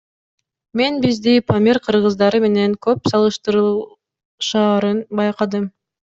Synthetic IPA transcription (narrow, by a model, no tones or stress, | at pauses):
me̞nbizd̪ipʰomʲiɾqʰɯɾʁɯzd̪ɑɾɯme̞ne̞ŋkøpsɑlˠɯʃt̪ɯɾ | ʃɑːɾɯnbɑjqɑd̪ɯm